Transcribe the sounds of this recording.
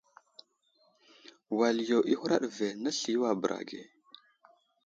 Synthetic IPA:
wa˨ljo˨ʔi˦hu˦ɾa̰˦ɗve˨na˦ɬi˨˦wa˨bə˨ɾʔa̰˨ɡḛ˨

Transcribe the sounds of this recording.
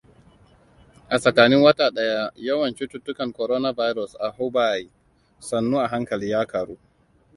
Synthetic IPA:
ʔa˨sɐ˨kaː˨nɪ˦ŋwɐ˦taː˨ɗɐ˦ja˦jɐ˦wɐ˨nt͡ʃi˦tu˦tːʊ˦kɐ˨ŋkɔ˨ɾoː˦na˦ba˦jɾɔ˨sʔa˨ɦʊ˦ba˦˨i˨ | sɐ˨nːuː˦ʔa˨ɦa˦ŋkɐ˨liː˦jaː˦kʰaː˨ɽuː˦

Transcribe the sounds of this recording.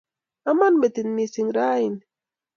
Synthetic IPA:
a˦ma˦nbe˨t̪i˨nːi˨si˨ŋɾa˦i˨n

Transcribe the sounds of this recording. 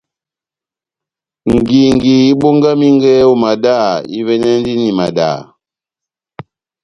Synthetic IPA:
ŋ̩˨ɡi˨ŋ˨ɡi˨i˦ɓo˦ŋɡa˦mi˦ŋ˦ɡɛ˦u˦ma˨da˦˨ḭ˦βɛ˦nɛ˦n˦di˦ni˨ma˨da̰˨

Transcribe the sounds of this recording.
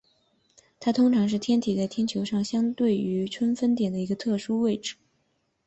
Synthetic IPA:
t̪ʰa˥t̪ʰʊ˥ŋʈ͡ʂʰɑ˧˥ŋʂ̬ɻ̩˥˩t̪ʰjɛ˥nt̪ʰi˨˩t͡sa˥˩ɪt̪ʰjɛ˥nt͡ɕʰjo˧˥ʊʂɑ˥˩ŋɕjɑ˥ŋt̪we˥˩ɪy˧˥ʈ͡ʂʰwə˥nfə˥nt̪̬jɛ˨˩nd̪ə˦i˧˥ɡə˧t̪ʰɤ˥˩ʂu˥we˥˩ɪʈ͡ʂɻ̩˥˩˦

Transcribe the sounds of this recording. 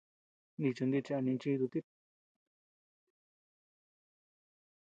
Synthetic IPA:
nĩ˧t͡ʃo˧nd̪i˧t͡ʃe˧a˧nĩ˧t͡ʃi˦˧t̪u˧t̪i˦

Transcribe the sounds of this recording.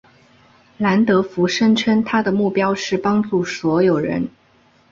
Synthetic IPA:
la˧˥nt̪ɤ˧˥fu˧˥ʂə˥nʈ͡ʂʰə˥nt̪ʰa˥d̪ə˨mu˥˩pjɑ˥ʊʂɻ̩˥˩pɑ˥ŋʈ͡ʂu˥˩swɔ˧˥jo˨˩ʊɻə̰˧˥n

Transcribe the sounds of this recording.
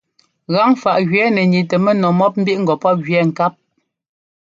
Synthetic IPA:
ɣa˨˦ŋfa˨ʔɣɥɛ˨˦nɛ˨ɲi˨tɛ˨mɛ˦nɔ˨mɔ˦p̚m̩˦bi˦ʔŋ̩˦ɡɔ˨pɔ˦p̚ɣɥɛ˨˦ŋ̩˨ka˦p̚

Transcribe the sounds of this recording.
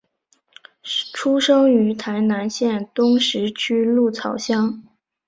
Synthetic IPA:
ʈ͡ʂʰu˥ʂɤ˥ŋy˧˥t̪ʰa˧˥ɪna˧˥nɕjɛ˥˩nt̪ʊ˥ŋʂɻ̩˧˥t͡ɕʰy˥lu˥˩t͡sʰɑ˨˩ʊɕjɑ˥ŋ

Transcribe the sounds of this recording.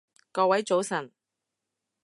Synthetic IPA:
kɔː˧wɐ˨˥jt͡so˨˧˥wsɐ˨˩n

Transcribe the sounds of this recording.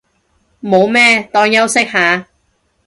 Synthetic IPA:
mo˨˧wmɛː˥t̪ɔː˥ŋjɐ˥wsɪ˥k̚ɦaː˨˧

